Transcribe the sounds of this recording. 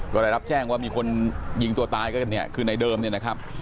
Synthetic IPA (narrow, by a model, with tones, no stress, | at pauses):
kɔː˥˩da˥˩ɾa˦˥p̚t͡ɕɛː˥˩ŋwaː˥˩miː˧kʰo˧nji˧ŋt̪u˧ɐt̪aː˧jkɔː˥˩nːi˥˩ɐkʰɯː˧na˧jdɤː˧mni˥˩ɐna˦˥kʰa˦˥p̚